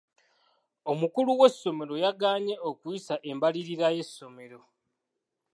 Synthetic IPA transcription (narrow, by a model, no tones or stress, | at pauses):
omukuluwe̞sːo̞me̞ɾo̞jaɡaːɲe̞okuisaʔe̞mbaliɾiɾaje̞sːo̞me̞ɾo̞